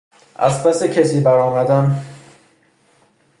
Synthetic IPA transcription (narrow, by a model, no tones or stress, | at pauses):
ʔæ̰spæsecʰesiːbæɾɒːmæd̪æm